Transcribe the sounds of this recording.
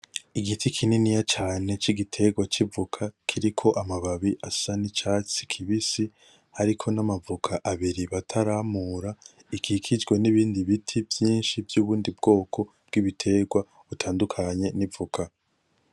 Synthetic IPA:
iɡitʰikʰininijat͡ʃaːne̞t͡ʃiɡitʰe̞ɡwat͡ʃivukʰakʰiɾikʰo̞ʔamaβaβiʔasanit͡ʃaːt͡si̥kʰiβisi | haɾikʰo̞namavukʰaʔaβiɾiβatʰaɾamuːɾa | ikʰikʰid͡ʒɡweniβiːndiβitʰivjiːnʃivjuːβuːndibɡo̞ːkʰo̞ | b̥̚ɡiβitʰe̞ɡwa | βutʰaːndukʰaɲe̞nivukʰa

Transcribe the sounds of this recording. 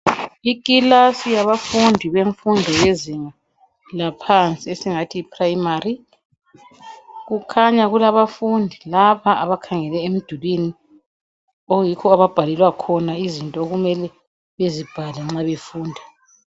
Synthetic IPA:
ikʼilasijaβafundʱiβeɱfundʱɔjeziŋa | lapʰant͡sʼiesiŋatʰiːpʰrajimari | ɣukʰaɲaɣulaβafundʱilaβaʔaβakʰaŋɛlɛem̩d̥ʱulwini | ojikʰɔaβab̥ʱalɛlwakʰɔnaizintʼɔoɣumɛlɛ | βezib̥ʱalɛŋ͡ǁaβefuːndʱa

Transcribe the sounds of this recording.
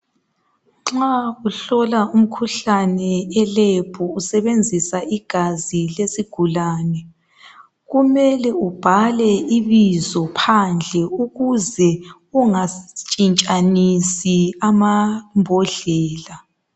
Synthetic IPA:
ŋ͡ǁauɬɔlaum̩kʰuɬanɛɛleb̥ʰʱuusɛβend͡zʱisaʔiɡ̥ʱazilesiɡ̥ʱulaːnɛ | ɣumɛlɛub̥ʱalɛiβizɔpʰand͡ɮʱɛuɣuzɛ | uŋat͡ʃʼint͡ʃʼanisiamambʱɔɮɛːla

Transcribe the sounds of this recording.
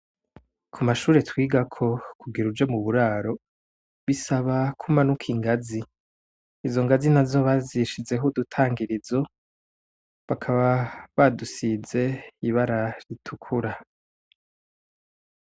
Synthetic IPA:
kʰumaʃuːɾe̞twiːɡakʰo̞kuɡiɾud͡ʒo̞muβuɾaːɾo̞ | βisaβakʰumanukʰiŋɡaziː | zo̞ŋɡazinazo̞βaziʃize̞ɦodutʰaːŋɡiɾizo̞ | βakʰaβaβadusize̞iβaɾaɾitʰukʰuɾa

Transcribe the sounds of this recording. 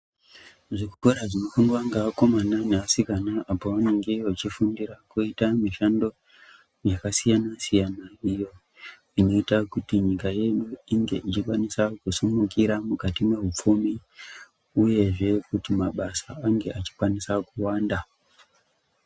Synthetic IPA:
ʐikukoɾaʐino̞fundwaŋɡaːko̞mananeasikanaʔapowane̞ŋɡeot͡ʃifundirakuitamiʃando̞ | jakasijanasijanaijo̞ | ino̞itakutiɲikaje̞ɗuiŋɡe̞̰ʔit͡ʃikwanisakusumukiɾamukatime̞ɦup͡fumi | uje̞ʐe̞kutimaɓasaaŋɡe̞ʔat͡ʃi̥kwanisakuwaːnda

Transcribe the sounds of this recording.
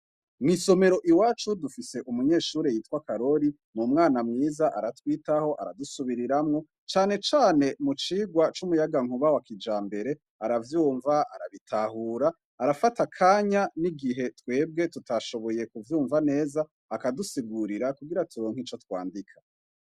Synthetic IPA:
miso̞me̞ɾo̞ʔiwaːt͡ʃudufise̞ʔumuɲe̞ːʃuːɾejiːtkwakaɾo̞ɾi | mumŋaːnamŋiːzaʔaɾatwiːtaho̞ʔa̰ɾa̰dusuβiɾiɾamŋo̞ | t͡ʃaːne̞t͡ʃaːne̞mut͡ʃiːɡwat͡ʃumujaɡaŋ̥uβawakʰid͡ʒaːmbe̞ɾe̞ | aɾavjuːɱvaʔa̰ɾa̰βitʰahuːɾaː | ɾafatakʰaːɲaniɡiɦe̞twe̞ːb̚ɡe̞tutaʃo̞βo̞je̞kuvjuːɱvane̞ːzaː | kadusiɡuɾiɾakuɡiɾatuɾoːŋ̥hit͡ʃo̞twa̰ːndikʰḁ

